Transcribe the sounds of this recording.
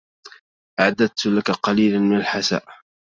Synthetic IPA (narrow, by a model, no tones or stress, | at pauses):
ʔaʕad̪ad̪̚t̪lakaqɑliːlanmɪnalħasa̰ːʔ